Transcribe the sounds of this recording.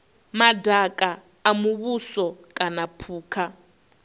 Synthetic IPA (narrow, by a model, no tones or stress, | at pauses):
madʱakʼaː | muβusɔkʼanapʰuːkʰa